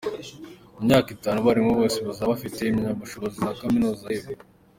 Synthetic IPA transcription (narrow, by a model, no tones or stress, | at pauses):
imɲaːkitaːnuβaɾimoβoːseβazaβafite̞imiɲaβuʃo̞βozizakaminuːzaiβe